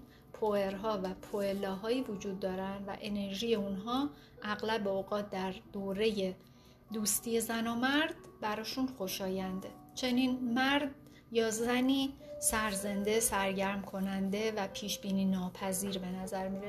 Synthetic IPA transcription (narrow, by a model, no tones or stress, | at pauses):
pʰoe̞ɾɦɒːvæpʰoelɒːɦɒːiːvod͡ʒuːd̪̚ːɒːɾænd̪væ̰ʔe̞ne̞ɾʒiːje̞unɦɒː | ʔæɣlæbeoɣɒːt̪̚ʰd̪æɾd̪̥oːɾe̞je̞ | d̪uːst̪ʰiːje̞zænɒːmæɾd̪̥bæɾɒːʃunxo̞ʃɒːjænd̪e̞ | t͡ʃʰe̞ninmæɾd̪ | jɒːzæniːsæɾze̞nd̪e̞sæɾɟæɾmkʰo̞nænd̪e̞væpʰiːʃbiːniːnɒːpʰæziːɾbe̞næzæɾmiɾe